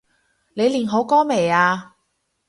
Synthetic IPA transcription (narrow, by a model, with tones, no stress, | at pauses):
le˨˧jliː˨˩nɦo˨˥wkɔː˥me˨˩jaː˧